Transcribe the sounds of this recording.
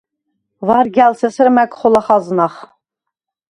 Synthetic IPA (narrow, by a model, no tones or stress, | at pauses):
vɑɾɡʲælsesɨɾmækχolˠɑχɑznɑχ